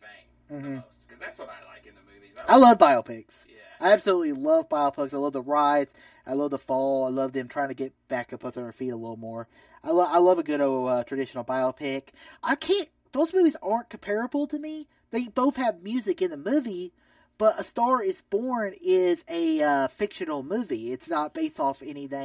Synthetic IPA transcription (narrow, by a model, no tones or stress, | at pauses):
m̩m̥m̩ | kʌzðætswʌɾaɪlaɪknɨmʉviaɪlʌvbaɪl̩ˠpʰɪks | aɪæb̥səlutˡlilʌvbaɪl̩ˠpʰɪksaɪlʌvðəɹaɪts | ʔaɪlʌvðəfɔlˠaɪlʌvðɨ̃mtʰɹ̥aɪɪ̃ŋtʰɨɡɛt̚b̥æk̚ʰɨpʰʊtsə̃ə˞fiɾəlɪɾl̩ˠmɔɹ | ʔaɪlʌaɪlʌvɨɡʊɾoʊʌtʰɹ̥ɨdɪʃn̩l̩ˠbaɪl̩ˠpʰɪkʔaɪkʰæ̃nt̚ | ðoʊzmʉvizɑɹnkʰɨ̃m̩pʰɛɹɨbl̩ˠtʰɨmi | ðeɪboʊθhɨvmjʉzɨkɨ̃nðəmʉvi | b̥ʌɾʔəstɑɹɪzb̥ɔɹnɪzɨʌfɪkʃɨ̃nl̩ˠmʉviɪtsnət̚b̥eɪstɔfɛniθɪ̃